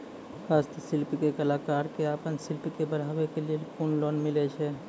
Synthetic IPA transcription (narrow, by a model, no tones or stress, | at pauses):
hast̪əsilpkekəlakaɾkeapənsilpkebəɽɦabekelielkunlonmilɛt͡ʃʰɛ